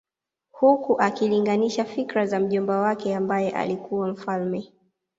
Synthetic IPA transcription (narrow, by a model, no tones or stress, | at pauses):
hukuʔakiliŋɡaniʃafikɾazam̩ʄɔmbawakɛambajɛʔa̰likuwam̩falmɛ